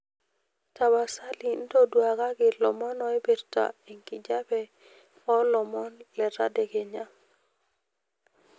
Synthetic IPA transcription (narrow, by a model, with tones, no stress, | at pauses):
ta˨ba˨sa˦li˨n̩˦dɔ˦dwa˨ɡa˦ɡɪ˨lɔ˨mɔ˦nɔ˦e˦be˨ɾta̰˨i˨ŋki˨d͡ʒa˦bɛ˦ | ɔ˦lɔ˨mɔ˦nlɛ˨ta̰˦de˨ɡe˨ɲa˦